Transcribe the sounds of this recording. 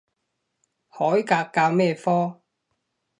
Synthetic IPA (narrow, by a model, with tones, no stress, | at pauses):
hɔː˨˥jkaː˧kkaː˧wmɛː˥˧fɔː˥